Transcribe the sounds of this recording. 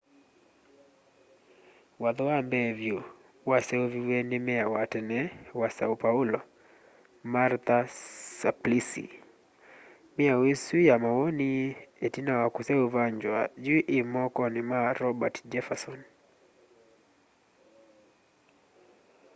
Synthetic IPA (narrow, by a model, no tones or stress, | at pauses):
wad̪ɔwambevju | waseoviwenɪmɪawatɛnɛwasaupaulɔ | maɾt̪asaplisḭ | mɪawesijamawonietinawakuseuvaɲd͡ʒwa̰d͡ʒuʔɪmɔkɔnɪmaɾɔbatd͡ʒɛfasɔn